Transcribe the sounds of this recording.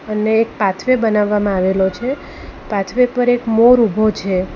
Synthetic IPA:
əneːk̚pat̪ʰʋebənaʋːamãaʋelot͡ʃʰe | pat̪ʰʋepəɾekmoɾubʱot͡ʃʰe

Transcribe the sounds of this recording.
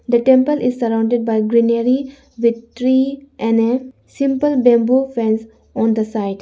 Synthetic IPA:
d̪əʈẽmpəlʔɪzsəɾãʊ̃ɳɖeɖ̚baɪɡɾineɾi | ʋɪd̪̚t̪ʰɾiːʔɛ̃nɖe | sɪ̃mpəlbɛ̃mbufɛ̃ns | ɔ̃ːnd̪əsaɪɖ

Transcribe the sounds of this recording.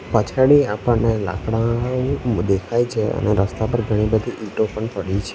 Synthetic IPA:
pət͡ʃʰaɽiapənela̰kɽa | d̪ekʰajt͡ʃʰeə̰neɾəst̪apəɾɡʱəɽ̃ibəd̪ʱiʔiʈopəɳpəɽit͡ʃʰe

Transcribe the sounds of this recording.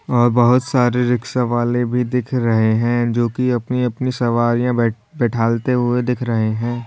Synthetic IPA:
ɔːɾbɐɦʊt̪saːɾeɾɪkʃaʋaːlebʱid̪ɪkʰɾɐɦeɦɛ̃d͡ʒoːkiɐpniɐpnisɐʋaːɾijãɛ | bɛːʈʰaːlt̪eɦʊed̪ɪkʰɾɐɦeɦɛ̃ː

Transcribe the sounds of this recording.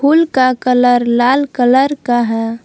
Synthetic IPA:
ulkakələɾlalkələɾkaɦɛ

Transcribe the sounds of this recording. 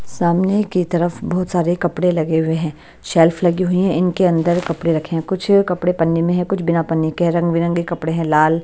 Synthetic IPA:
saːmnekit̪ɐɾəfbɐːʊt̪saːɾekɐpɽelɐɡeɦʊeɦɛ̃ː | ʃɛːlfʰlɐɡiɦʊiɦɛ̃ʔɪnkeɐ̃nd̪əɾkɐpɽeɾɐkʰeɦɛ̃kʊt͡ʃʰkɐpɽepɐnːimẽɦɛ̃kʊt͡ʃʰbɪnapɐnːikeɦɛ̃ɾɐ̃ŋɡʋiɾɐ̃ŋɡikɐpɽeɦɛ̃laːl

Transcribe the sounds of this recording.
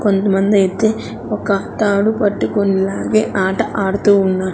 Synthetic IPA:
kond̪ɐmɐnd̪ɐet̪ːe | ɔkːɐt̪aːɽupɐʈːukonilaːɡeːʔaːʈɐʔaːɽt̪uːnːaːɽ

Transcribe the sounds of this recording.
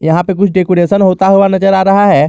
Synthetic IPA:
jɐɦãpek̬ʊt͡ʃʰɖekoːɾeːsənɦoːt̪aɦoʋanɐd͡ʒəɾaːɾɐɦaɦɛ

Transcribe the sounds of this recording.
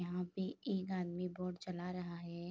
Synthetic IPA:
ɐɦãpeeːkaːd̪miboːɾɖt͡ʃɐlaɾɐɦaɦɛː

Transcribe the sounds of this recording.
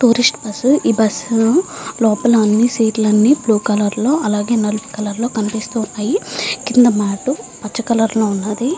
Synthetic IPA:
ʈuːɾisʈbɐsuibɐs | lɔːpɐlɐɐnːisiːʈlɐnːipluːkɐlɐɾlo̞ːʔɐlaːɡe̞ːnɐlupi̥kɐlɐɾlo̞ːkɐnipist̪uːunːaːjikind̪ɐmaːʈu | pɐt͡ʃːɐkɐlɐɾlo̞ːunːaːd̪i

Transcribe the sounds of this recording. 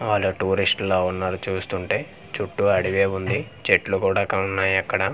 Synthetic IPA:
ʋaːlːuʈuːɾisʈloːunːaːɾut͡ʃuːst̪uɳʈe̞ː | t͡ʃuʈːuɐɽiʋe̞ːund̪it͡ʃeʈlukuːɽaːkɐunːaːjɛkːɐɽɐ

